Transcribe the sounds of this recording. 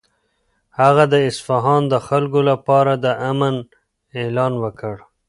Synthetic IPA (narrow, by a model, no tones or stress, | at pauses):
haɣad̪əɪsfaɦɑnd̪əxalkolapɑɾad̪əʔamən | elɑːnwəkəɽ